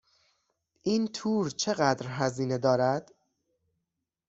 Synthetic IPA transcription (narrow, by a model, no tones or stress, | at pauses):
ʔiːnt̪ʰuːɾt͡ʃʰe̞ɣæd̪ɾɦæziːne̞d̪ɒːɾæd̪̥